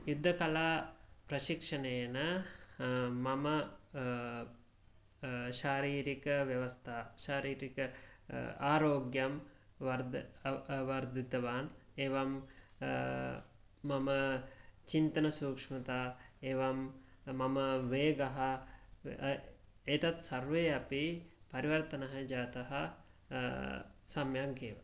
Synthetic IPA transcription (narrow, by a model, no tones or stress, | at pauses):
jud̪ʱːɐkɐlaːpɾɐʃikʂɐnejnə | mɐmɐ | ʃaːɾiːɾikɐʋjɐʋɐst̪ʰaʃaːɾiːɾikɐ | aːɾoːɡjɐmʋɐɾd̪ | ʋɐɾd̪it̪ɐʋaːneːʋam | ɐmɐt͡ʃint̪ɐnɐsuːkʂmɐt̪aeːʋɐm | mːɐmɐʋeːɡɐɦɐ | et̪ɐt̪sɐɾʋeːɐpipɐɾiʋɐɾt̪ɐnɐɦɐd͡ʒaːt̪ɐɦɐ | sɐmjaɡeːʋa̰